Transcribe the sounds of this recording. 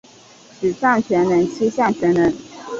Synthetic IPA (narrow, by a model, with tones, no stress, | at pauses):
ʈ͡ʂ̩˨˩t͡sa˥˩nt͡ɕʰɥɛ˧˥nlə˧˥nt͡ɕʰi˥ɕja˥˩ŋt͡ɕʰɥɛ˧˥nlə˧˥n